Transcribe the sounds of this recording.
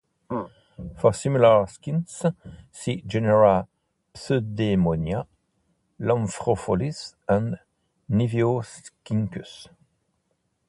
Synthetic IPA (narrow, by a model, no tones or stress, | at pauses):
fɔsimylaʁskinssid͡ʒeneʁa | psød̪emɔnja | lɑ̃mfʁɔfɔlisɛ̃n | nivjoskĩŋkys